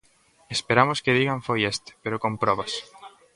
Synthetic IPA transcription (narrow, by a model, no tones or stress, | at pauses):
espeɾamoskeð̞iɣaɱfojest̪e̥peɾokompɾɔβas